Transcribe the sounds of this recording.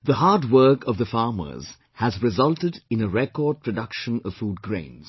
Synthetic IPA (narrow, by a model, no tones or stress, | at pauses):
ðəɦɑːdwɜkʰʌvðəfɑːmə̰˞z̥ | hæzɹɪzʌlˠtɪdɪ̃nəɹɛkɔːd̚pʰɹ̥ədʌkʃə̃nʌv̥fuːd̚ɡɹḛ̃ɪ̃nz̥